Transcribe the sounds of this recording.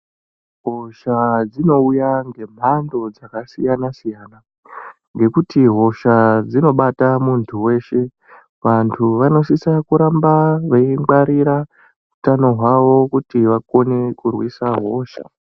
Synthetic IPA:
ɦo̞ʃad͡zino̞ujaŋɡe̞m̤ando̞d͡zakasijanasijaːna | ŋɡe̞kutiɦo̞ʃad͡zino̞ɓatamuntʰuwe̞ːʃe̞ | ʋantʰuʋano̞sisakuɾambaʋeiŋɡ͡baɾiɾa | utano̞ɦwaʋo̞kutiʋako̞ne̞kurwisaɦo̞ːʃa̰

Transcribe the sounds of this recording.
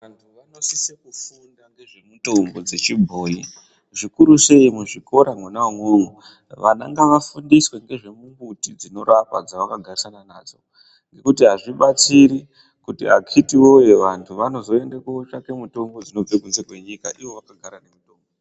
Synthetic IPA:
ʋantʰuʋano̞sisekufundaŋɡe̞ʐe̞muto̞mbo̞d͡ze̞t͡ʃibʱo̞ːi | ʐikuɾuse̞imuʐiko̞ɾamwunaŋoŋu | ʋa̰na̰ŋɡaʋafundiswe̞ŋɡe̞ʐe̞muŋɡutid͡zino̞ɾapa̰d͡zaʋakaɡʱarisanana̰ːd͡zo̞̰ | ŋɡe̞kutiɦaʐiɓat͡siɾi | kutḭa̰kʰitiwo̞jeʋantʰuʋano̞zo̞e̞ndekot͡ʃake̞muto̞mbo̞d͡zino̞b͡vekunzekwe̞ɲikaʔiwo̞ʋakaɡʱaɾane̞muto̞ːmbo

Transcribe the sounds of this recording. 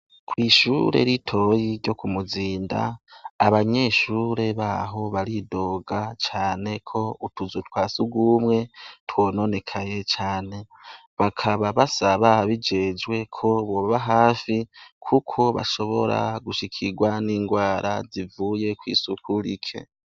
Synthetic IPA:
kʰwiːʃuɾḛɾitʰo̞jiɾɟo̞kumuziːnda̰ːβaɲe̞ːʃuɾe̞βaɦo̞βaɾido̞ːɡat͡ʃaːne̞kʰo̞utuzutwaːsuɡumŋe̞two̞ːno̞ne̞kʰaje̞t͡ʃaːne̞ | βakʰaβaβasaβahaβid͡ʒe̞d͡ʒwe̞kʰo̞βo̞βaβaɦaːfikʰukʰo̞βa̰ʃo̞βo̞̰ɾa̰ɡuʃikʰiɡwaniːŋɡwaːɾʔa̰zivuːje̞kwḭːsukʰuɾikʰe̞̰

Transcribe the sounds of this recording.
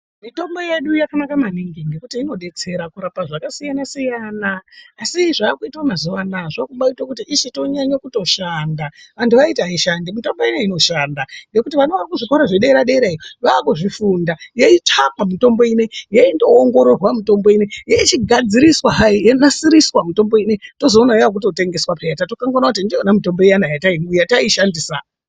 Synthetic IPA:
mito̞mbo̞je̞ɗujakanakamaniŋɡiŋɡe̞kutiːno̞ɗe̞t͡se̞ɾakuɾapaʐakasijanasijaːnaːsiʐaːkuitwamazuʋanaʐakuɓaitwokutiʔiʃito̞ɲaɲakuto̞ʃandaʋantʰuʋaitaaiʃandimito̞mbo̞ineino̞ʃandaŋɡe̞kutiʋanoʋarikuʐiko̞ɾaʐeɗeiɾaɗeiɾeiroʋaːkuʐifundajeitʰapamito̞mbo̞inejaindoːŋɡo̞ɾo̞rwamito̞mbo̞inejait͡ʃiɡʱad͡ziɾiswaɦaijenasiɾiswamito̞mbo̞ineto̞zoːnaeak̬uto̞te̞ŋɡe̞swapejatatokaŋɡaonakut̬indionamito̞mbo̞ijanajataijataiʃandiːsa

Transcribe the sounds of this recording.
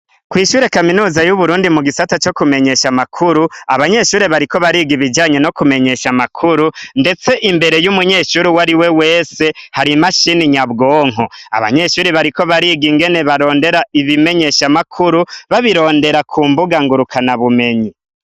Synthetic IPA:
kwiːʃuːɾe̞kaminuːzajuβuɾuːndimuɡisatat͡ʃo̞kume̞ɲe̞ʃamakʰuɾuaβaɲe̞ʃuːɾeβaɾiko̞βaɾiːɡiβid͡ʒaːɲe̞no̞kume̞ɲe̞ʃamakʰuɾunde̞t͡se̞ʔimbe̞ɾe̞jumuɲe̞ːʃuːɾiwaɾiwe̞we̞ːse̞haɾimaʃiniɲaβɡo̞ːŋ̥oa̰βa̰ɲe̞ʃuːɾiβaɾiko̞βaɾiːɡiŋɡe̞ne̞βaɾo̞ːnde̞ɾaiβime̞ɲe̞ʃamakʰuɾuβaβiɾo̞ːnde̞ɾakʰuːmbuɡaŋɡuɾukʰanaβume̞ɲi

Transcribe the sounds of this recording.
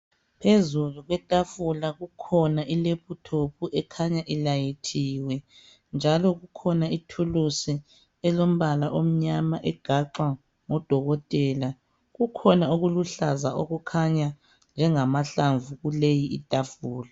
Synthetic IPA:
pʰezuluɣwɛtʼafulaɣukʰɔnaʔilepʰutʰopʰuʔɛkʰaɲaʔilajitʰiːwɛ | nd͡ʒʱalɔɣukʰɔnaitʰulusi | ɛlom̩βalaʔom̩ɲamaʔɛɡ̥ʱaǃwa | ŋɔd̥ʱɔɣɔtʼɛla | ɣukʰɔnaoɣuluɬazaʔoɣukʰaɲa | nd͡ʒʱɛŋamaɬaɱvuɣulejiːtʼafuːla

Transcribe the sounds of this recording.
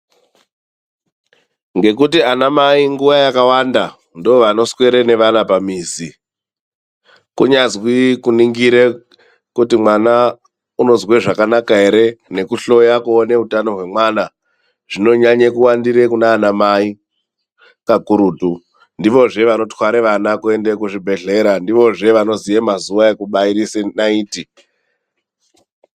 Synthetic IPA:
ŋɡe̞kutianamaiŋɡuʋajakawanda | ndoʋano̞swe̞ɾene̞ʋanapamiːzi | kuɲazwikuniŋɡiɾe | kutimwana | uno̞zweʐakanakaɦe̞ɾe̞ne̞kuɬo̞jakuone̞utano̞ɦwe̞mwaːna | ʐ̥ino̞ɲaɲekuwandiɾe̞kunaːnamai | kakuɾuːtu | ndiʋo̞ʐe̞ʋano̞twaɾeʋanakue̞ndekuʐibʱe̞ɮe̞ɾandiʋo̞ʐe̞ʋano̞zijemazuʋae̞kuɓaiɾisenaiːti

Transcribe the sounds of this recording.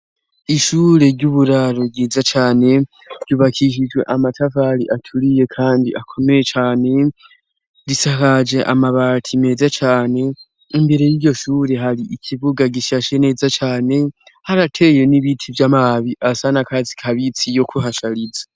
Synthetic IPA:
iʃuːɾe̞ɾɟuβuɾaɾoɡiːzat͡ʃaːne̞ | ɾɟuːβakʰiʃ̬id͡ʒwe̞̰ʔamatʰavaɾiʔatʰuɾije̞kʰaːndiʔakʰo̞me̞jet͡ʃaːne̞ | ɾisakad͡ʒe̞ʔa̰maβatʰime̞ːzat͡ʃaːne̞ | imbe̞ɾe̞jiːɾɟo̞ʃuːɾe̞ɦaɾiʔikʰiβuɡaɡiʃaʃe̞ne̞ːzat͡ʃaːne̞haɾatʰe̞je̞niβitʰivjamaβiʔasanakazi̥kʰaβit͡sijo̞kʰuɦaʃaɾizḁ

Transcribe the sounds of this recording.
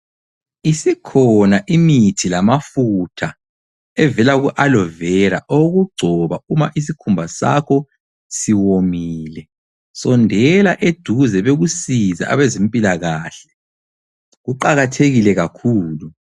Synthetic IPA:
isikʰɔnaʔimitʰilamafutʰa | ɛvɛlaɣuʔalɔvɛɾa̰ʔoɣuɡ͡ǀʱɔβaumaʔis̬ikʰumbʱasa̰kʰɔ | siwomiːlɛ | sɔndʱɛlaʔed̥ʱuzɛβeɣusiza̰a̰βɛzempʼilaɣaːɬɛ | ɣuǃaɣatʰeɣilɛɣakʰuːlu

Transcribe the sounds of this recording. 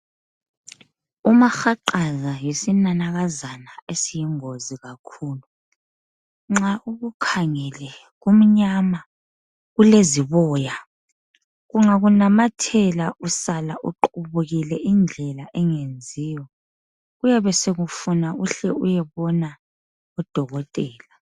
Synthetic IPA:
umaxaǃazajesinanaɣazanaesijiŋoziɣakʰuːlu | ŋ͡ǁaʔuɣukʰaŋɛlɛ | ɣum̩ɲama | ɣuleziβɔːja | ɣuŋaɣunamatʰɛlaʔusalaʔuǃuβuɣilɛʔind͡ɮʱɛlaʔɛŋend͡zʱiːjɔ | ɣujɛβɛseɣufunauɬɛujɛβɔna | ɔd̥ʱɔɣɔtʼɛːla

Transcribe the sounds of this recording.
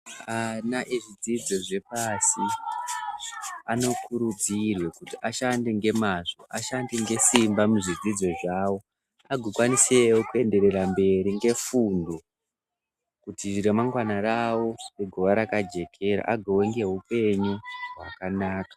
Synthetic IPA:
anaʔiʐid͡zid͡zo̞ʐe̞pasi | ano̞kuɾud͡zirwekutiʔaʃande̞ŋɡe̞maʐo̞ʔaʃandeŋɡe̞simbamuʐid͡zid͡zo̞ʐawo̞ | aɡʱokwanisewokue̞nde̞ɾe̞ɾambe̞ɾiŋɡe̞fundo̞ | kutiʐiɾemaŋɡwanarawo̞neɡʱoʋaɾakad͡ʒe̞kʰe̞ɾa̰ʔaɡʱoweŋɡe̞ɦupe̞ɲuɦwa̰kanaːkḁ

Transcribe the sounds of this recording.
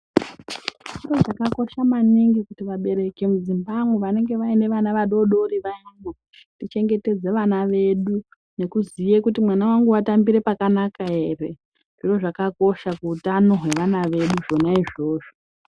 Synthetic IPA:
ʐiro̞ʐakako̞ʃamaniŋɡikutiʋaɓe̞ɾe̞ke̞muzimbamuʋane̞ŋɡe̞ʋaine̞ʋanaʋaɗo̞ɗo̞ɾiʋajamo | tit͡ʃe̞ŋɡe̞te̞d͡ze̞ʋanaʋe̞ɗu | ne̞kuzijekutimwanawaŋɡuatambiɾe̞pakanakae̞ːre̞ | ʐ̥iro̞ʐakako̞ʃakuutano̞ɦwe̞ʋanaʋe̞ɗuʐo̞naiʐo̞ːʐo̞

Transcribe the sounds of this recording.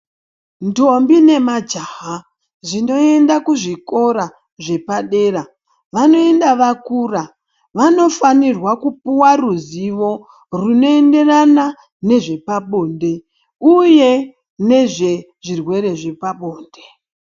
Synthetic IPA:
nto̞mbine̞mad͡ʒaɦa | ʐino̞e̞ndakuʐiko̞ɾa | ʐe̞paɗe̞ːra | ʋano̞e̞ndaʋakuːra | ʋano̞fanirwakupuwaruziʋo̞ | runo̞e̞nde̞rana | ne̞ʐe̞paɓo̞ːnde̞ | uje̞ | ne̞ʐe̞ | ʐirwe̞ɾe̞ʐe̞paɓoːnde

